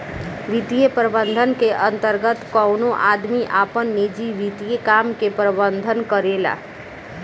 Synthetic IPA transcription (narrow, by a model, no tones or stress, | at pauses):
ʋit̪ijepɾəbənd̪ʱənkeʔənt̪əɾɡət̪kɔnoʔaːd̪miʔaːpənːid͡ʒiʋit̪ijekaːmkepɾəbənd̪ʱənkəɾeːla̰